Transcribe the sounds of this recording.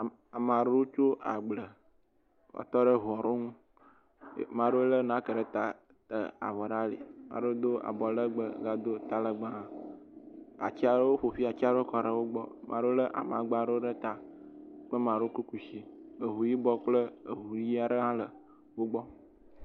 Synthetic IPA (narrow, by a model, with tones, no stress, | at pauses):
a˨m˨ã˨ɖə˦wo˦t͡ʃo˦ʔa̰˨ɡ͡blə˨ | wɔ̰˨t̪ɔ˦ɖə˦ɦu˨ɔ˨ɾo˦ŋṵ̃˦˨ | mã˨ɖo˦lə˦nã˦kə˨ɖə˦t̪a˨ | t̪ə̰˨a̰˨vɔ˨ɖa˦lḛ˨mã̰˨ɖə˦o˦d̪o˦ʔa̰˨bɔ˨lə˦ɡ͡bə˦ɡa˨d̪o˦t̪a˦lə˨ɡ͡ba˦˨ | a̰˨t͡ɕi˦a˦ɾwo˦ɸo˨fi˦a˨t͡ɕi˦a˦ɖo˦kɔ˨ɖə˨wo˦ɡ͡bɔ˦mʔã˨ɖo˦lə˦ʔa̰˨m˨ã̰˨ɡ͡ba˦ɖə˦wo˦ɖə˦t̪a˨k͡pə˦mã˨ɖo˦o˦ku˦ku˨ʃi˦ə˨ɦu˨ji˦bɔ˦k͡plə˦ə˨ɦu˨ji˦a˨ɖə˦ɦã˦lə˨ | wo˦ɡ͡bɔ˦